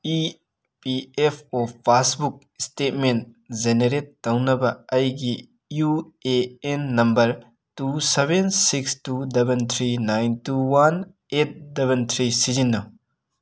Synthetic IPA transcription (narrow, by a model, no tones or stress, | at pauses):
i | piepʰɔpʰːasbuk̚stet̚men | zeneɾet̚ːɐwnɐbɐɐjɡi | ju | eenːɐmbɐɾ | tusebensikstudebent̪ʰɾinajntuwan | et̚debent̪ʰɾisid͡ʒinːɐ